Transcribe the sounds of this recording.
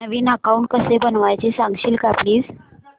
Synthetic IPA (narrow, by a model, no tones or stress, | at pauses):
nəʋiːnakauɳʈ̚kəsebənʋajt͡ɕesãŋɡɕiːlkapliːs